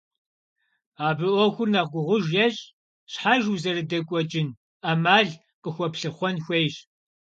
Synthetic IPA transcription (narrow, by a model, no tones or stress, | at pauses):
aːbɨʔʷɔxʷʊrnɐʁɡʷʊʁʷʊʒjɛɕʼ | ɕħaʒuzɐrɨdɐkʷʼɔt͡ʃʼɪn | amaːɮ | qəxʷɔpɬɨχʷɔnxʷejɕ